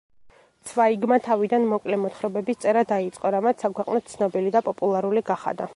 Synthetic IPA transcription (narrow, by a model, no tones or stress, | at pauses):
t̪sʰvaiɡmat̪ʰavid̪anmɔkʼlɛmɔt̪χɾɔbɛbist̪sʼɛɾad̪ait̪sʼqʼɔɾamat̪sʰakʰwɛqʼnɔt̪̚t̪sʰnɔbilid̪apʼɔpʼulˠaɾuliɡaχa̰d̪a